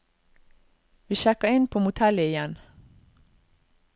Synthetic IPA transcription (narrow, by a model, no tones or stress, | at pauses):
ʋiːʃɛkəɪnpʰoːmʊt̪ʰɛləɪjɛn